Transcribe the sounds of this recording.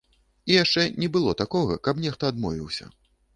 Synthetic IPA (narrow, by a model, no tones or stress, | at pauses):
ijaʂt͡ʂɛnʲɛbɨlˠɔt̪akɔɣɐ̰kɐpnʲɛxt̪ɐad̪mɔ̰vʲiwsʲɐ̰